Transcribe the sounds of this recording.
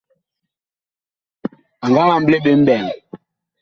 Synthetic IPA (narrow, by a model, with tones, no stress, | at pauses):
a˨ŋɡa˦la˨m̩˦ble˦ɓe˦m̩˦bɛ˨ŋ